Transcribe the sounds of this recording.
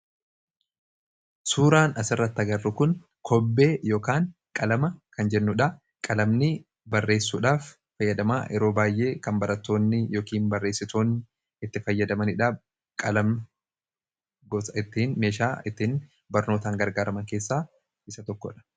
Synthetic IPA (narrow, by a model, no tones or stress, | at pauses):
suːɾaːnɐsɪrːɐt̪ːɐɡɐrːʊkʊn | kʰɔbːe̞ːjo̞ːkaːŋkʼɐlɐmɐkɐnd͡ʒɛnːʊᶑɐ | kʼɐlɐmnɪ | bɐrːe̞ːsːuːᶑaːfː | ɐjːɐd̪ɐma̰ːʔɛɾo̞ːbaːjʔe̞ːkɐmbɐɾɐt̪ːo̞ːnːɪjo̞ːkiːnbɐrːe̞ːsːɪt̪o̞ːn | ɪt̪ːɪfɐjːɐd̪ɐmɐnɪᶑaː | kʼɐlɐm | ɡɔɪt̪ːiːnme̞ːʃaːɪt̪ːɪːn | bɐɾno̞ːt̪aːŋɡɐɾɡaːɾɐmɐŋkeːsːaː | ʔɪsɐt̪ɔkːɔ̰ᶑɐ̥